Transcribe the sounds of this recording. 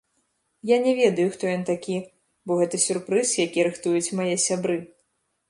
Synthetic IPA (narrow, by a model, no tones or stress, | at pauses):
janʲɛvʲɛd̪ɐjuxt̪ɔjɔnt̪akʲi | bɔɣɛt̪ɐsʲurpɾɨsjakʲiɾɨxt̪ujut͡sʲmajɛsʲabɾɨ